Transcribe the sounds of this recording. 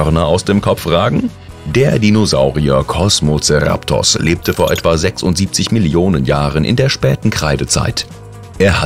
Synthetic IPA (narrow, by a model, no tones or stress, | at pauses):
œʁnɐaʊsd̥eːmkʰɔp͡fʁaːɡŋ̩ | deːɐdinozaʊʁiɐ̰kʰɔsmot͡sɛʁa̰ptʰɔ̰sleːp̚təfoːɐʔɛtv̥azɛksʊntz̥iːp̚t͡sɪçmɪljoːnənjaːʁənʔɪ̰ndeːɐʃpɛːtn̩kʁ̥aɪdət͡sa̰ɪt | ʔeːɐha